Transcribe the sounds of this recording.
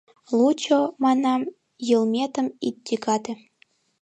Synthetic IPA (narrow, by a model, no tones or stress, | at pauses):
lˠut͡ɕomɑnɑm | jɤlmʲet̪əmit̪̚d̪ʲikɑt̪ĕ